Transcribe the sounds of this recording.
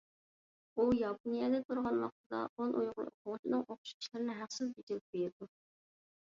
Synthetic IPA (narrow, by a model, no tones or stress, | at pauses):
ujɑponijɛd̪ɛt̪ʰuɾʁɑnwɑ̰q̚t̪ʰɨd̪ɑ̰onʔojʁʊlˠɨ̰o̰qʰʊŋt͡ʃʰinɨŋoqʊ̥ʃi̥ʃlˠɨɾɪnɪɦæχsɪzbit͡ʃiɾɪp̚beɾɾd̪u